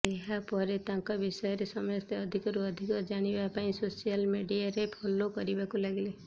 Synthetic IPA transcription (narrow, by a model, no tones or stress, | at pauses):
eɦapɔɾet̪ãŋkɔbisɔjɔɾesɔmɔjɔst̪eɔd̪ʱikɔɾuɔd̪ʱikɔd͡ʒaɽ̃ibapaĩsosijalmeɖiaɾepʰolokɔɾibakulaɡile